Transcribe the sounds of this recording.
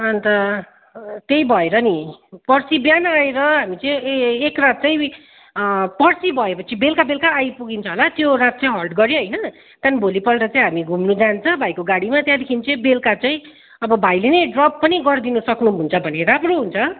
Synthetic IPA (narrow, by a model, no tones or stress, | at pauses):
ʌnt̪ʌ | t̪ejbʱʌeɾʌnipʌrsibjanaeɾʌɦamit͡sʌĩekrat̪̚t͡sãĩ | pʌrsibʱʌepʌt͡sʰibelkabelkaːjpuɡint͡sʰʌɦolat̪joɾat̪̚t͡sʌĩɦʌlʈɡʌɾjõɦʌjnʌ | t̪janbʱolipʌlɾʌt͡saĩɦamiɡʱumnud͡zant͡sʰʌbʱajkoɡaɽimat̪jãd̪ekʰinit͡sʌĩbelkat͡saĩ | ʌbʌbʱajlenʌjɖrʌpːʌniɡʌrd̪inusʌknũɦunt͡sʰʌbʱʌneɾamroɦunt͡sʰʌ